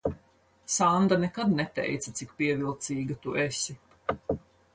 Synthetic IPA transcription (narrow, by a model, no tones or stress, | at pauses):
sand̪anɛkad̪nɛt̪ɛ̰jt̪sat̪sikpiɛvilˠt̪siːɡat̪uʔɛsʲi